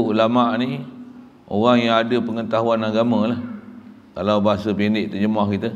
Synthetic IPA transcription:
ulamaʔni | oɣaŋjaŋadəpəŋət̪aɦuanaɡamə̃lah | kalawbaɦasəpindɪʔt̪əd͡ʒəmahkit̪ə

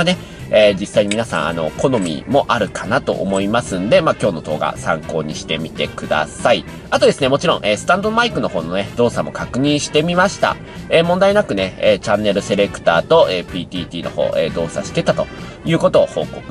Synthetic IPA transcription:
ne̞ | eːd͡ʑisːaiɲ̟imʲinasã̰ɰ̃a̰no̞̰kʰo̞no̞mʲḭmo̞ʔaɾɯ̟kʰanat̪o̞̰ʔomo̞imasɨ̃nd̪e̞maːkʲo̞ːno̞d̪o̞ːɡa̰sã̰ŋko̞ːɲ̟iɕi̥t̪e̞mʲit̪e̞̰kɯ̟d̪a̰sai | at̪o̞d̪e̞sɨne̞mo̞t͡ɕiɾõ̞ʔeːsɨ̥t̪ãnd̪omaikɯ̟no̞ho̞ːno̞ne̞d̪o̞ːsamo̞̰kakɯ̟ɲ̟ĩɰ̃ɕi̥t̪e̞mʲimaɕi̥t̪a̰ | eːmõ̞nd̪ainakɯ̟neeːt͡ɕãnːe̞ɾɯ̟se̞ɾe̞kɯ̟̥t̪a̰ːt̪o̞ʔeːpʲiːt̪ʲiːt̪ʲiːno̞̰ho̰ːʔeːd̪o̞ːsa̰ɕi̥t̪e̞t̪at̪o̞ | jɯ̟ːko̞t̪o̞ːho̞̰ːkokɯ

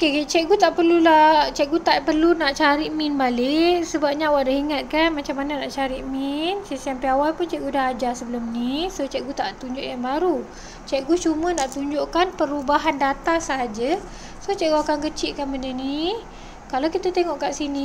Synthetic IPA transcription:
oket͡ʃɛʔɡut̪aʔpərlulaht͡ʃɛʔɡut̪aʔpərlunaʔt͡ʃaɾiʔminbalɪʔsəbap̚ɲawaʔdahiŋat̪̚kanmat͡ʃamːananaʔt͡ʃaɾiʔminsisianpiawajpʊnt͡ʃɛʔɡudaɦad͡ʒasəbəlumnisot͡ʃɛʔɡut̪aʔt̪uɲd͡ʒʊʔjaŋbaɾu | t͡ʃɛʔɡut͡ʃumə̃naʔt̪uɲd͡ʒoʔkanpəɾubaɦandat̪asəɦad͡ʒə | soht͡ʃɛʔɡuakankət͡ʃiʔkanməndəni | kalakit̪ət̪eŋɔʔkaʔsini

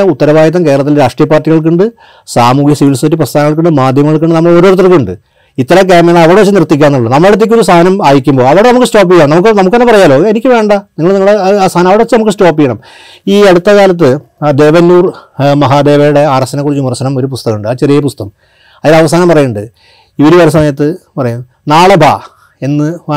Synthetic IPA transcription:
ɐut̪ːɐɾɐʋaːjɐt̪̬ːɐmke̞ːɾɐɭɐt̪ːilɾaːʂʈrijɐpːaːrʈːiɣɐɭk̬uɳɖɨ | saːmuːkjɐsiʋilstːiprɐst̪ʰaːnɐŋːɐɭkuɳɖɨmaːd̪ʱjɐmɐŋɐɭk̬uɳɖɨnɐmːɐɭo̞ɾoːɾut̪ːrɐkːɨuɳɖɨ | it̪ːɐɾɐk̬aːmeɳɐɭɐʋɐɾɽeɐt͡ɕːɨnirt̪ːikʲːaːnːuɭːunɐmːɐɭeɽut̪̬ːekʲːo̞ɾust̪ʰaːnɐmaːjikʲːumbo̞ːɐʋiɽenɐmukːɨsto̞ːp̬ːijːɐɳɐmnɐmukːɨnɐmukːenːɐpɐrɐjaːlo̞ːenikʲːɨʋe̞ːɳɖɐniŋːɐɭniŋːɐɭest̪ʰaːnɐmɐʋiɽeʋɐt͡ɕːɨnɐmukːɨsʈo̞ːpːijːɐɳɐm | iːeɽut̪ːɐkaːlɐt̪̬ːɨd̪e̞ːʋɐnːuːrmɐɦaːd̪e̞ːʋejuɽe̞aːrɐsɐnɐkurit͡ɕːɨmurɐɕɐnɐmo̞ɾupust̪ɐɣuɳɖɨaːt͡ɕe̞rijɐpust̪ɐm | ɐðilɐʋɐsaːnɐmpɐrɐjuɳɖɨ | iʋɐɾuʋɐɾɐs̬ɐmɐjɐt̪ːɨpɐrɐjum | naːɭɐbʱa̰ː | e̞nːɨ

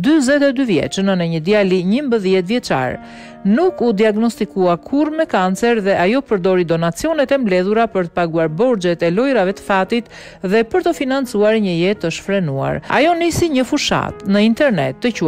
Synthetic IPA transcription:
d̪yzɛt̪ɛd̪yvjɛ̰t͡ʃənənɛɲəd̪ialiɲəmbəðjɛt̪vjɛt͡ʃa̰ɾ | nukud̪iaɡnɔst̪ikuakʰuɾmɛkant͡sɛɾðɛʔajɔpəɾd̪ɔɾid̪ɔnat͡siɔnɛt̪ɛmblɛðuɾapəɾt̪ə̥paɡuaɾbɔɾd͡ʒɛt̪ɛlɔjɾavɛt̪ə̥fat̪it̪ | ðɛpəɾt̪əfinant͡suaɾɲəjɛt̪əʃfɾɛnua̰ɾa̰jɔnisiɲəfuʃa̰t̪nəint̪ɛɾnɛ̰t̪d̪əcu

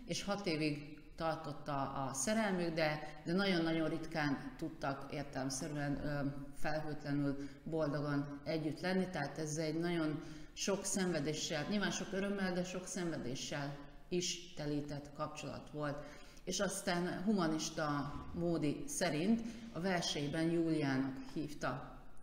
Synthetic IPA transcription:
eːʃhɒt̪eːviɡ | t̪ɒrt̪o̞t̪ːɒːsɛɾɛlmyɡd̪ɛd̪ɛnɒɟo̞nːɒɟo̞nrit̪kaːnt̪ut̪ːɒkeːrt̪ɛlɛmsɛɾyɛnfɛlɦøːt̪lɛnylbo̞ld̪o̞ɡonɛɟːyt̪lɛnːit̪ɛɦaːt̪ɛzːɛɟnɒɟo̞nʃo̞ksɛɱvɛd̪eːʃːɛlɲiːlvaːnʃo̞køɾø̞mːɛld̪ɛʃo̞ksɛɱvɛd̪ḛːʃːɛl | iʃt̪ɛliːt̪ɛt̪kɒp̚t͡ʃo̞lɒ̰t̪ʋo̞lt̪ | eːʃɒst̪aːnɦumɒniʃt̪ɒmoːd̪isɛɾint̪ɒvɛlʃɛjbɛnjuːlijaːnɒkhiːft̪ɒ

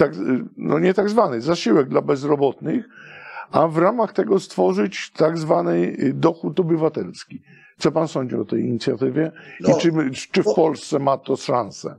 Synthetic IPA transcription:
t̪aɡnɔ̰ɲɛt̪aɡzvanɪzaɕiwɛɡ̚d̪labɛzɾɔbɔt̪nɘxavɾamaxt̪ɛɡɔst̪fɔʐɘt͡ɕt̪aɡzvanɘd̪ɔxut̪ɔbɘvat̪ɛlskʲi | t̪sɔpansɔɲd͡ʑḭɔt̪ɛjiɲit̪sʲjat̪ɘvʲjɛit͡ʂɨfpɔlst̪sɛmat̪ɔʂansɛ̰

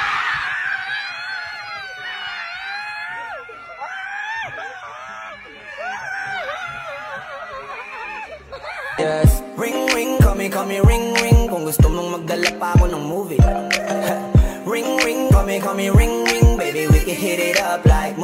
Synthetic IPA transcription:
jɛsɹɪ̃ŋɹɪ̃ŋkʰʌmikʰʌmiɹɪ̃ŋɹɪ̃ŋpɔŋɡʊst̪ʊmɔŋməɡɐləpakɔnɔ̃ŋmuvi | ɹɪ̃ŋɹɪ̃ŋkʰʌmikʰʌmiɹɪ̃ŋɹɪ̃ŋbeɪbiwikɨ̃ɦɪɾɪɾʌplaɪk̚

